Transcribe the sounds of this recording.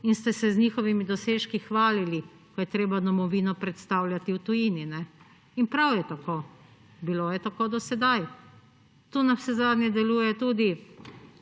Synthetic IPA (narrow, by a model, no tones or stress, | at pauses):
inst̪ɛsɛzniːxɔʋimid̪ɔseːʃkixʋaːlili | kɔjɛt̪ɾeːbad̪ɔmɔʋiːnɔpɾɛt̪st̪awlʲjat̪iwt̪ujiːninɛ | inpɾawjɛt̪akoː | biloːjɛt̪akoːd̪ɔsɛd̪aj | t̪uːnasɛzaːd̪njɛd̪ɛluːjɛt̪uːd̪i